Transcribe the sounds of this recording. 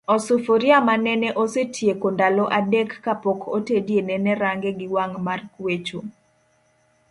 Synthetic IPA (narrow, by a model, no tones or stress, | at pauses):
ɔsufoɾiamanɛnɛʔosetʰjekondalɔʔadɛkːapɔkotedjenɛnɛɾaŋɡeɡɪwaŋmarkwet͡ʃu